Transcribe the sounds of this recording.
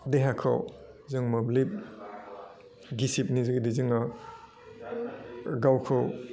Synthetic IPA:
deɦakʰɔ̰w | zɯŋmɔblip̚ | ɡisip̚nizɯɡidizɯŋa | ɡawkʰɔw

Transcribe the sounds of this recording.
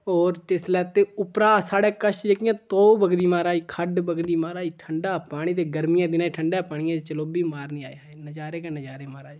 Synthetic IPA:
oːɾt̪eslɛːt̪eːʊpɾaːsaːɽɛːkəʃd͡ʒəkɪjãːt̪oːbəɡd̪iːmaːɾaːiːkʰəɖbəɡd̪iːmaːɾaːiːʈʰəɳɖaːpaːɽ̃iːt̪eːɡəɾmɪjãːd̪ɪnaːʈʰəɳɖaːpaːɳ̃ɪjãːt͡ʃəloːbiːmaːɾnĩːa̰ːeaenəd͡ʒaːɾeːkenəd͡ʒaːɾeːmaːɾaː

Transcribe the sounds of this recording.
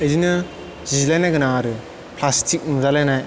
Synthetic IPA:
ejzinɯ | zizlajnajɡɯnaɾɯ | pʰlastʰik̚nuzalajnaj

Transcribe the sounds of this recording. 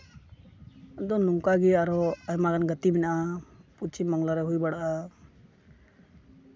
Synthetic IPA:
d̪ɔnuŋkaɡiaɾɔaɛmakanɡət̪iminaʔaput͡ʃʰiməŋɡlaɾɛɦujbaɽʔa

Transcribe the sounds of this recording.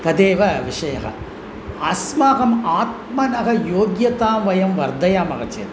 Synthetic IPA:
t̪ɐd̪eːʋɐʋiʂɐjɐ̰ɣɐ̰ | ɐsmaːɣɐmaːt̪̚mɐnɐɣɐjoːɡjɐt̪aːmʋɐjɐmʋɐɾd̪ʱɐjaːmɐɣɐt͡ʃḛːɾ

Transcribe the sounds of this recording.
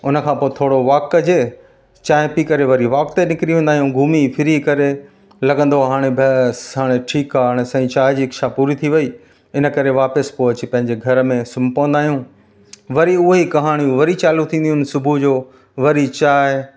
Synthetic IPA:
ʊnəkʰãːpoːet̪ʰoːɽoʋaːk̆d͡ʑeː | t͡ɕaːɦɪpikɐɾeʋɐɾiʋaːk̚t̪enɪkɾiɦũːnd̪aːɦijũɡʱuːmifʰɪɾikɐɾe | lɐɡə̃nd̪oɦaːɽ̃ebʱɐɦaːɽ̃eʈʰiːkaɽ̃ɛsɐ̃ĩt͡ɕaːɪd͡ʑiːɐkʃapuːɾit̪ʰiʋɐi | ɪnə̆kɐɾeʋaːpəspoːt͡ɕɪ̆pɐ̃ɦɪ̃ɲd͡ʑeɡʱɐɾmẽsʊmpɐʋ̃ə̃nd̪aːɦijũ | ʋɐɾiʊɦeikɐɦaːɽ̃jũʋɐɾit͡ɕaːlut̪ʰĩːnd̪ijuːnsʊbʱud͡ʑoː | ʋɐɾit͡ɕaːɪ

